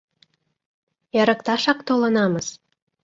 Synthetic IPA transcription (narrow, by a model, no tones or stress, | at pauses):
jæɾɤ̆kt̪ɑʃɑkt̪olɤ̆nɑmɤz